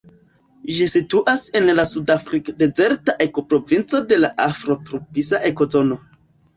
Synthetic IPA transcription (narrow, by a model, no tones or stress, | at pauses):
ʒisituʔase̞nlasudafɾikde̞ze̞ɾtaʔe̞ko̞pɾo̞vint͡so̞de̞laʔafɾo̞tɾupisaʔe̞ko̞zo̞no̞